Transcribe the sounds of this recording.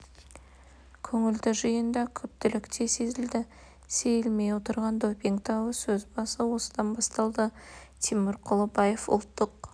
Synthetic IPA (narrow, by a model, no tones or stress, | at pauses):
kʲʰɵŋɪld̪ɪʒəjənd̪ɑkʲʰɵp̚t̪ɪlɪkt̪ʰe̞se̞zɪld̪ɪ | se̞jɪlme̞jwo̞t̪əɾʁɑnd̪opʲiŋkt̪ɑwəsɵzbɑsəwo̞səd̪ɑnbɑst̪ɑlˠd̪ət̪ʰimɪɾqʰʊlˠəbɑje̞fʊ̰lˠt̪ːəq